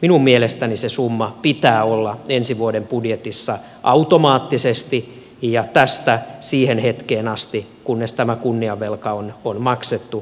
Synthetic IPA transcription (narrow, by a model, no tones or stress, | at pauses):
minummielest̪ænisesumːɑpit̪æːolːɑensiʋuodempudjet̪isːɑ | ʔɑut̪omɑːt̪ːisest̪i | jɑt̪æst̪æsiːhenhet̪keːnɑst̪ikunːest̪æmækunːiɑʋːelkɑononmɑkset̪ːu